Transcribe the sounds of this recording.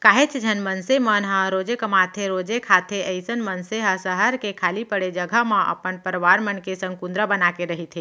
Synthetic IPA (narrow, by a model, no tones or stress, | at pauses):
kaːɦet͡ʃd͡ʒʱənmənsemənɦə̃ɾod͡ʒekəmat̪ʰeɾoːd͡ʒekʰaːt̪ʰeəɪsənmənseɦə̃səɦəɾkekʰaːlipəɽed͡ʒəɡʱəɦmãʔə̰pənpəɾʋaɾmənkesə̃ŋɡkund̪ɾəbənakeɾəɦit̪ʰe